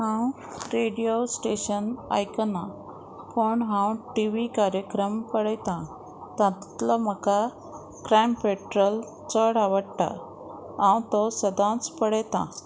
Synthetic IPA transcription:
ɦãw | ɾeɽijosʈeɕəna̰jkəna | poɳɦãwʈiʋikaɾjəkɾəmpəɽɛt̪ã | t̪ãt̪ləm̤əka | kɾampeʈɾəl | t͡səɽaʋəɽʈ̪a̰ | ãwt̪ɔsəd̪ãt͡spəɽɛt̪ã̰

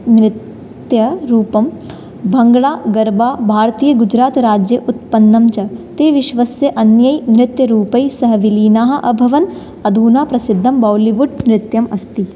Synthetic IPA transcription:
nɾɪt̪ | jɐɾuːpɐm | bʱɐŋɡɭaːɡɐɾbaːbʱaːɾt̪iːjɐɡud͡ʒɾaːt̪ɾaːd͡ʒjɐʔut̪̚pɐnːɐmt͡ʃɐt̪eːʋiʃʋɐsjɐʔɐnjɐjnɾɪt̪jɐɾuːpɐjsɐɦɐʋiliːnaːɦɐ̆ʔɐbʱɐʋɐn | ɐd̪ʱuːnaːpɾɐsid̪ʱːɐmbɐwliʋuɖ̚nɾɪt̪jɐmɐst̪i

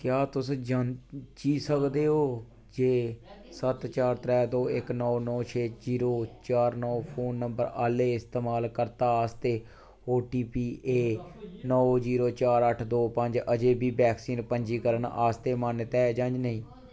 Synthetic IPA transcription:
kjaːt̪ʊsd͡ʒant͡ʃiːsəkd̪eːɦoː | d͡ʒeːsət̪t͡ʃaːɾt̪ɾɛːd̪oːɪknɔːnɔːt͡ʃʰeːziːɾoːt͡ʃaːɾnɔːpʰoːnːəmbəɾaːleːɪst̪eːmaːlkəɾt̪aːaːst̪eː | oːʈiːpiːeːnɔːziːɾoːt͡ʃaːɾəʈʰd̪oːpəɲd͡ʒəd͡ʒeːbʱiːbɛːksiːnpəɲd͡ʒiːkəɾənaːst̪eːmənt̪ɛːd͡ʒə̃nd͡ʒnəĩː

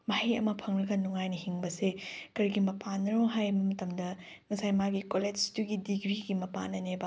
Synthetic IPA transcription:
mahiɐ̰mɐpʰɐŋlɐɡɐnuŋajnɐhiŋbɐsekɐɾiɡimɐpʰanːɐɾoɦajbɐmɐtɐmdɐ | ŋɐsajmaɡikoled͡ʒtuɡidiɡɾiɡimɐpa̰nɐnebɐ

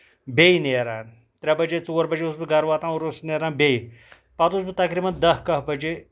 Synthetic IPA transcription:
beineːɾaːn | t̪ɾʲɐbɐd͡ʒet͡soːɾbɐd͡ʒeusbiɡɐɾʋaːt̪ãːuɾosneːɾãːnbej | pɐt̪uːsbit̪ɐkɾiːmɐnd̪ɐɦkɐɦbɐd͡ʒe

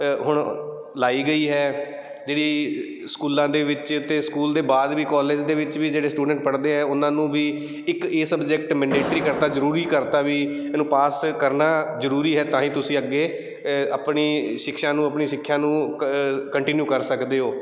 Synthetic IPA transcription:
ɦʊɳ | laːiːɡəiːɦɛː | d͡ʒeːɽiː | skuːlãːd̪eːʋɪt͡ʃt̪eːskuːld̪eːbaːd̪ʋiːkɔːleːd͡ʒd̪eːʋɪt͡ʃʋiːd͡ʒeːɽeːsʈuːɖə̃ɳʈpəɽd̪eːɦɛ̃ːʊnãːnũːbiː | ɪkeːsəbd͡ʒɛk̚ʈmɛ̃ːɳɖeːʈɾiːkəɾt̪aːzəɾuːɾiːkəɾt̪aːʋiː | ɛːnũːpaːskəɾnaːzəɾuːɾiːɦɛːt̪ãːɦĩːt̪ʊsĩːəɡːeː | əpɳiːʃɪkʃãːnũːəpɳiːʃɪkʰːjãːnũː | kəɳʈɪnjuːkəɾsəkd̪eːɦoː

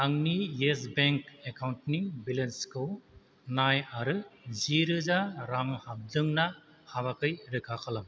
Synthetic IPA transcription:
aŋnijes̬beŋkekʰawntnibilenskʰɯw | najaɾɯziɾɯzaɾaŋhab̚dɯŋna | haβakʰɯjɾɯkʰakʰalam

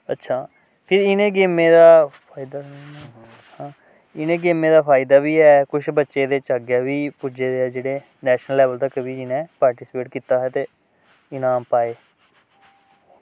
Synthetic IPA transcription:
ətːʃʰaː | pʰɪɾɪnẽːɡeːmẽːd̪aːpʰaːɪd̪a | hãː | ɪnẽːɡeːmẽːd̪aːpʰaːɪd̪aːbiːɛːkʊʃʰbətːʃeːd̪eːt͡ʃaːɡjaːʋiːpʊd͡ʒeːd̪eːɛːd͡ʒeːɽeː | nɛːʃnəlːɛːʋəlt̪əkbiːd͡ʒɪnɛ̃ːpaːɾʈiːspeːʈkiːt̪aːɦɛːt̪eː | ɪnaːmpaːeː

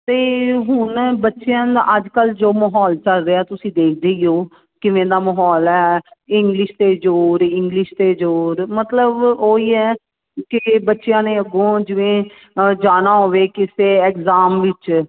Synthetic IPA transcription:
t̪eːɦʊnbətːʃejãːd̪a̰ːəd͡ʒkəld͡ʒoːməɦɔːlt͡ʃəlɾeːaːt̪ʊsĩːd̪eːk̚ʰd̪eːioː | kɪʋẽːd̪aːməɦɔːlɛːɪŋɡlɪʃt̪eːd͡ʒoːɾɪŋɡlɪʃt̪eːd͡ʒoːɾmət̪ləboːiːɛː | kɪbətːʃejãːneːəɡõːd͡ʒɪʋẽː | d͡ʒaːnaːɦoːʋeːkɪseːɛkzaːmʋɪt͡ʃ

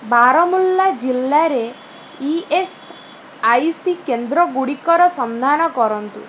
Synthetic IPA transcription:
baɾɔmulːad͡ʒilːaɾe | ies | ajsikend̪ɾɔɡuɽikɔɾɔsɔnd̪ʱanɔkɔɾɔnt̪ṵ

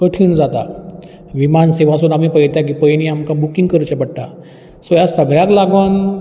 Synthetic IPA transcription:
kəʈʰiːnd͡zat̪a̰ | ʋimanseʋasuːnamipəjt̪jak̬ipəjniamkabukiŋɡkəɾt͡ɕepəɽʈ̪a | sojasəɡɭjat̪laɡʋan

